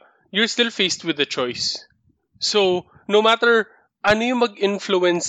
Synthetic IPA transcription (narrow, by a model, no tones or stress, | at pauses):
jɔɹst̪ɪlfejst̪wɪðɐt͡ʃɔjsː | o | nomat̪ɛɹ | ʔɐnojʊ̃ŋmɐɡʔɪ̃nfluɛ̃ns